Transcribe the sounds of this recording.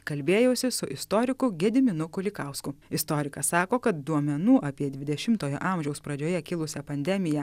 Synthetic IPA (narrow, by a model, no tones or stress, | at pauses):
kɐlʲbʲeːjoːsʲɪsʊʔɪst̪oːɾʲɪkʊɡʲɛd̪ʲɪmʲɪnʊkʊlʲɪkɑˑʊskʊɪst̪oːɾʲɪkɐsɑːkoːkɐt̪̚d̪uɔmʲɛnuːʔɐːpʲiɛd̪ʲʋʲɪd̪ʲɛʃʲɪmt̪oːjo̰ːʔɑːˑmʲʒʲɛʊspɾɐd͡ʒʲoːjɛkʲɪlˠʊsʲɛpɐnʲd̪ʲɛmʲɪjɛ